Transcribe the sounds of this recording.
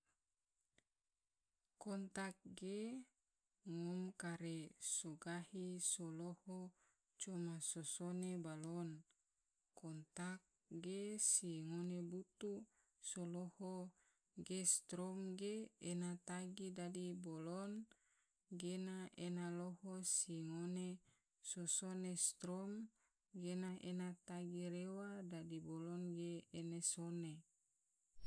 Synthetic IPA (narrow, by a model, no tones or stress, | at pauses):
kɔnt̪ak̚ɡe | ŋɔmkaɾesoɡahisoloho | t͡ʃomasosonebalon | kɔnt̪ak̚ | ɡesiŋonebut̪u | soloho | ɡest̪ɾɔmɡeenat̪aɡidadibolɔn | ɡenaʔenalohosiŋone | sosonest̪ɾom | ɡenaʔenat̪aɡiɾewadadibolɔnɡeːnesone